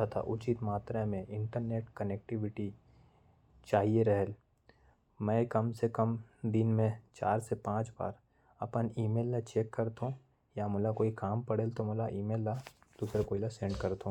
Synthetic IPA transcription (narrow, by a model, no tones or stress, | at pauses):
at̪ʰa̰ʔʊt͡ʃit̪maːt̪ɾamẽɪ̃ɳʈəɾneːʈkənek̚ʈɪʋɪʈi | t͡ʃaːɦieɾɛɦəl | mɛ̃kɐmsekɐmd̪ɪnmẽt͡ʃa̰ːɾsepãːt͡ʃba̰ːɾ | ɐpəniːmeːlːat͡ʃeːkːɐɾt̪ɦũ | jamʊlakoːikaːmpɐɽeːlt̪omʊlaʔiːmeːlːad̪̥uːsɾakoːilasẽːɳɖkɐɾt̪ɦõ